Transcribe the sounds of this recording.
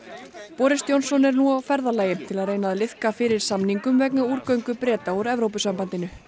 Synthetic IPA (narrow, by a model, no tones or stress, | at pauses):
pɔːɾɪst̪jownsɔnɛɾnuawfɛɾðalaːjɪt̪ʰɪlaðreːjnaðlɪðkafɪɾɪɾ̥samniŋkʏmvɛknauːɾkœɥŋkʏpɾɛːt̪auɾɛvɾowpʏsampant̪ɪnʏ